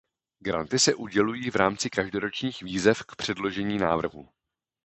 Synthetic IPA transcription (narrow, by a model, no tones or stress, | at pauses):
ɡɾa̰nt̪ɪsɛʔuɟɛlujiːvɾaːmt͡sɪkaʒdo̞ɾo̞t͡ʃɲiːxviːzɛfkpr̝̥ɛdlo̞ʒɛɲiːnaːvr̩ɦṵ